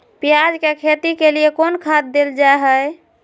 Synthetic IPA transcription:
pijad͡ʒkekʰet̪ikeliekonkʰad̪̚d̪eld͡ʒaeɦəj

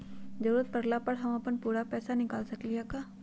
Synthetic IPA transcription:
d͡ʒɐɾuːɾət̪̚pɐɾlapəɽɦɐmɐpənpuːɾapɛːsanɪkaːlsɐkliɦakaː

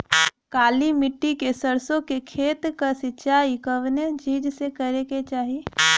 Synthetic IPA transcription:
kaːlimɪʈːikesəɾsõkekʰeːt̪kəsɪt͡ʃːt͡ʃaːikəʋned͡ʒiːd͡ʒsekəɾeket͡ʃaːɦi

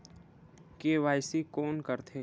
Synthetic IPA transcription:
keːʋaːjsikoːnkəɾt̪ʰeː

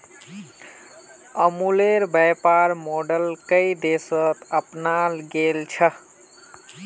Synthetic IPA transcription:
əmuleɾbəjpaɾmoɖəlkəid̪esət̪əpnalɡelt͡ʃʰə

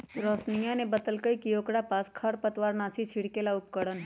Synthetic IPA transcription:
ɾɔːsnijãnebət̪əlkəikijoːkɽapaːskʰɐɽpət̪ʋaːɾnaːsʰit͡ʃʰiɽkelaʊp̚kəɽənɦ

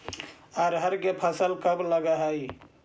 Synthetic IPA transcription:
aɾɦəɾkepʰəsəlkəbləɡaɦai

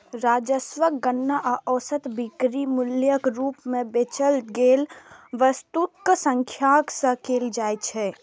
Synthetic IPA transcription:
ɾaːd͡ʒəsʋəkɡənːaʔaʔɔːsət̪bikɾimuljəkɾuːpmẽbet͡ʃəlɡeːlʋəst̪ut̪̚ksə̃ŋkʰjaksə̃keːld͡ʒajt͡ʃʰɛ

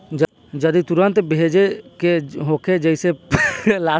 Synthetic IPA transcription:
d͡ʒəd̪it̪uɾənt̪bed͡ʒekeɦokʰed͡ʒəɪselaː

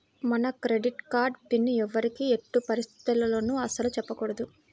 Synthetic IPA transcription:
mɐnɐkɾe̞ɖiʈkaːɾɖpinːɛʋːɐɾikieʈːupɐɾist̪ʰi̥t̪ulɐlo̞ːnuɐsɐlut͡ʃɛpːɐkuɽɐd̪u

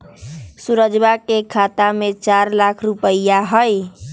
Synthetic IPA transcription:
suɾəd͡ʒbakekʰat̪amet͡ʃaɾlakʰɾupəjjaɦəj

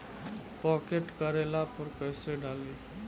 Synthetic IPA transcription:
pɔkeʈkəɾelapəɾkəɪseɖali

